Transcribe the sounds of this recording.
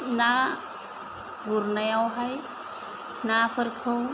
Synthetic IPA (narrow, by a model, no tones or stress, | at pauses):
na | ɡuɾnajawɦaj | napʰəɾkʰɯw